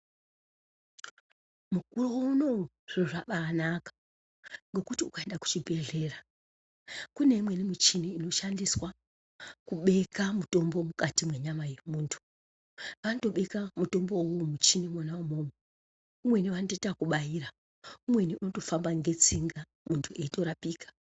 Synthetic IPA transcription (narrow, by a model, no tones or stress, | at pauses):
mukurowouno̞ | ʐ̥eʐaɓaːnakḁ | ŋɡe̞kutiukaendaku̥t͡ʃibʱe̞ɮe̞ːra | kune̞imwe̞nimit͡ʃiniːno̞ʃandiswa | kuɓe̞kamuto̞mbo̞mukatimweɲamaje̞muːntʰu̥ | ʋanoto̞ɓe̞kamuto̞mbo̞womut͡ʃinimwonaumoːme | umwe̞niʋanototakuɓajiɾa | umwe̞niʔunoto̞fambaŋɡe̞t͡siŋɡa | muntʰueito̞ɾapiːkḁ